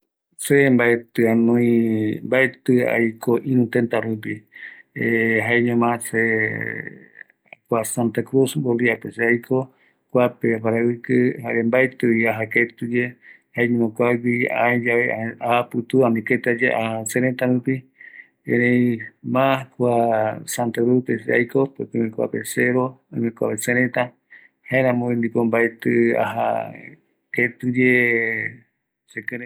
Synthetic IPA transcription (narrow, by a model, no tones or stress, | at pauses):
sembaet̪ɨanõĩmbaet̪ɨa̰jkʰoʔĩɾũt̪ent̪aɾup̬ieɦaeɲõmãse | kʷasant̪akɾusmboliapeseajkʰo | kʷapeapaɾawikɨhaɾembaet̪ɨiaɦaket̪ud͡ʒe | haeɲũmõkʷaɡʷiã̰ẽd͡ʒaβeaahapɨt̪uãniket̪ad͡ʒeʔaasẽɾẽt̪aɾũpi | ḛ̃ɾẽjmãkʷasãnt̪aɾepesea̰jkopḛkɨmẽkʷa̰peseɾoamẽkʷa̰pesẽɾet̪a | haẽɾãmõĩnd̪ipombaet̪ɨa̰ɦa̰ | ket̪ud͡ʒe | sekɨ̃ɾe